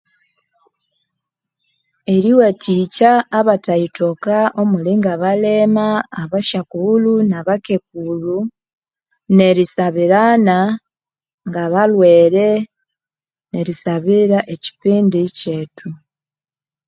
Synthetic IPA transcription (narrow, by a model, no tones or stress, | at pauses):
eɾiweticaːβataito̞kao̞muliŋɡaβalemaːβaʃakulunaβake̞k̚ulu | ne̞ɾisaβiɾana | ŋɡaβalweːɾe | ne̞ɾisaβiɾaʔeci̥piːndice̞ːtu